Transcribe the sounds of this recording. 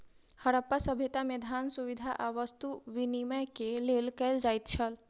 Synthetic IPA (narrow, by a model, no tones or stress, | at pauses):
həɾəpːasəbʱet̪amed̪ʱansuʋid̪ʱaʔaʋəst̪uʋiniməjkelelkɛld͡ʒaːjt̪t͡ʃʰəl